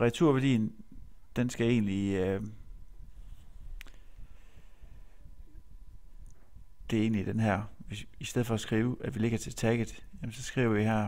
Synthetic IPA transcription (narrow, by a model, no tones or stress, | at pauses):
ʁɛt͡sʰuɐʋæɐd̥ḭːnd̥ensɡ̥æe̝̰ːnliø | d̥e̝e̝ːnlid̥enɦæɐ̰ʋesisd̥eð̰ˠfɒ̽ːsɡ̥ʁiːʊʔæd̥ʋile̝ɡ̥ɐt͡sʰe̝lt͡sʰæɡ̥ðˠjæmnsɒ̽sɡ̥ʁḭːʊ̰ɐiɦæɐ̰